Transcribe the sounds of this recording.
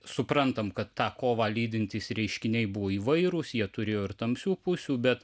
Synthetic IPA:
sʊpɾɐnt̪ɐmkɐt̪ːɑːkoːʋɑːlʲiːd̪ʲɪnʲt̪ʲɪsɾʲɛɪʃʲkʲɪnʲɛɪbʊʋoːiːʋɐɪɾʊsjiɛt̪ʊɾʲeːjoːɪɾt̪ɐmʲsʲuːpʊsʲuːbʲɛt̪

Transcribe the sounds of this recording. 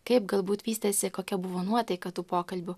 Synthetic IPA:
kɐɪp̚ɡɐlˠbuːt̪ʋʲiːst̪ɐsʲɪkoːkʲɛbʊʋoːnuɔt̪ɐɪkɐt̪uːpoːkɐlʲbʲʊ

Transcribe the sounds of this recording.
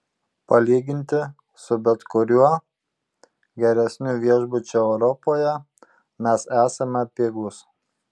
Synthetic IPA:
pɐlʲiːɡʲɪnʲt̪ʲɪ | sʊbʲɛt̪kʊɾʲuɔ | ɡʲɛɾʲɛsʲnʲʊʋʲiɛʒbʊt͡ʃʲoɛʊɾɔpoːjɛ | mʲɛsæːsɐmʲɛpʲeːɡʊs

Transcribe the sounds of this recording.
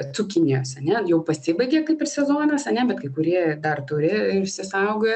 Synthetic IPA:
t̪t͡sʊkʲɪnʲijoːsɐnʲɛjɛʊpɐsʲɪbɐɪɡʲeːkɐɪpɪrsʲɛzoːnɐsɐnʲɛbʲɛt̪kɐɪkʊɾʲiɛd̪ɐrt̪ʊɾʲɪɪɾʃʲsʲɪsɐˑʊɡoj

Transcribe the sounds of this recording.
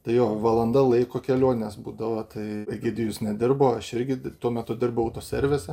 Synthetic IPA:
t̪ɐɪjoːʋɐlˠɐnd̪ɐlˠɐɪkoːkʲɛlʲoɔnʲɛsbuːd̪ɐʋɐt̪ɐɪɛɡʲɛd̪ʲɪjʊsnʲɛd̪ʲɪrboːɐʃɪɾʲɡʲɪt̪uɔmʲɛt̪ʊd̪ʲɪrbʊɐʊt̪oːsʲɛɾʲʋʲesʲɛ

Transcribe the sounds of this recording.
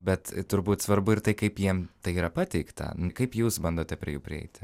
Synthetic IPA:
bʲɛt̪t̪ʊɾbuːt̪sʋɐɾbʊɪrt̪ɐɪkɐɪpjiɛmt̪ɐɪiːɾɐpɑːt̪ʲɛɪkt̪ɐ̰nkɐɪpjuːsbɐnd̪oːt̪ʲɛpʲɾʲɪ̰ɛjuːpʲɾʲɪɛ̰ɪt̪ʲ

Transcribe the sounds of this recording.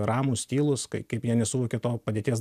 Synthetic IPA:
ɾɑːmusʲt̪ʲiːlˠʊskɐɪkɐɪpjiɛnʲɛsʊʋoɔkʲet̪oːpɐdʲeːt̪ʲiɛs

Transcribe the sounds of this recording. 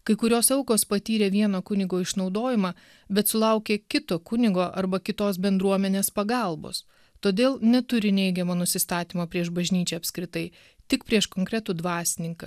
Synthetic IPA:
kɐɪkʊɾʲoːsɛʊkoːspɐt̪ʲiːɾʲeːʋʲiɛnoːkʊnʲɪɡoːɪʃnɒʊd̪oːjɪmɑ | bʲɛt̪sʊlˠɐʊkʲeːkʲɪt̪oːkʊnʲɪɡoːʔɐɾbɐkʲɪt̪oːsbʲɛnd̪ɾuɔmʲɛnʲeːspɐɡɐlˠbo̰ːs | t̪oːd̪ʲeːlˠnʲɛt̪ʊɾʲɪnʲɛɪɡʲɛmɐnʊsʲɪst̪ɑːt̪ʲiːmɐpʲɾʲiɛʃbɐʒʲnʲiːt͡ʃʲɛːɐpʲskɾʲɪt̪ɐɪ | t̪ʲɪkpʲɾʲiɛʃkoːŋkɾʲɛt̪uːd̪ʋɑːsʲɪnʲɪŋkɐ

